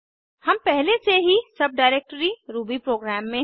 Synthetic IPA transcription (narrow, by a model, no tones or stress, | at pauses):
hɐmpɛɦleseɦisɐb̚ɖaːɪɾeːk̚ʈəɾiɾuːbipɾoːɡɾæːmːẽ